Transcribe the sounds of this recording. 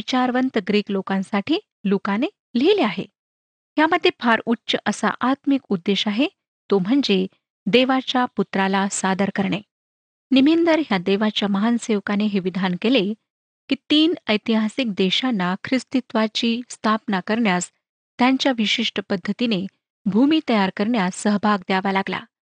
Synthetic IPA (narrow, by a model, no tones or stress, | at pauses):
it͡ɕaɾʋənt̪əɡɾiːklokãnsaʈʰiː | lokane | leleaɦḛ | ɦjaməd̪ʱːjefʰaɾutːɕəʔəsa̰ʔat̪mikud̪ːeɕaɦe | t̪om̤əɳd͡ze | d̪eʋat͡ɕjaput̪ɾalasad̪əɾkəɾɳe | nimind̪əɾɦjad̪eʋat͡ɕjaməɦanseʋkaneɦeʋid̪ʱankele | kit̪iːnəjt̪iɦasik̚d̪eɕanːakʰɾist̪it̪ʋat͡ɕiːst̪ʰapnakəɾɳjas | t̪jaɲt͡ɕjaʋiɕiʂʈəpəd̪ʱːət̪ine | bʱumiːt̪əjaɾkəɾɳjasːəɦbʱaɡd̪jaʋalaɡla̰